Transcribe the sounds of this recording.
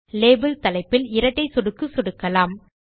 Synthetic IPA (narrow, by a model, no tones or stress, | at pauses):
leːbɯlt̪ɐlɐɪpːɪlɪɾɐt̪ːɐɪsɔɽɯkːɯsɔɽɯkːɐlaːm